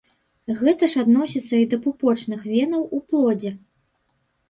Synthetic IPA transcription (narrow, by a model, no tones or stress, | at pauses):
ɣɛt̪ɐʂad̪nɔsʲit̪sːɐid̪ɐpupɔt͡ʂnɨxvʲɛnɐwuplˠɔd͡zʲɛ